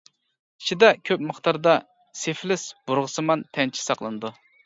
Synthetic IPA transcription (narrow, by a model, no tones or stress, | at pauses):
i̥ʃʰid̪ɛkʲʰøpməχt̪ɑɾd̪ɑ | seflɪsb̥uɾʁəsɨmɑnt̪ʰɛnt͡ʃʰi̥sɑqlˠɨnɨd̪u